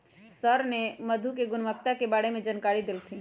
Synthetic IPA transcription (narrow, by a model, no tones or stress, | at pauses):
səɾnemɐd̪ʱukeɡʊnməkt̪akebaːɽemẽd͡ʒənkaːɽid̪ɪlt̪ʰiː